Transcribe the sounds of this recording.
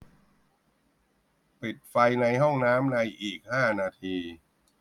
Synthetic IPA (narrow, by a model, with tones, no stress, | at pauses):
pi˨˩t̪̚fa˧jna˧jɦɔ˥˩ŋnaː˦˥mna˧jʔiː˨˩k̚haː˥˩naː˧t̪ʰiː˧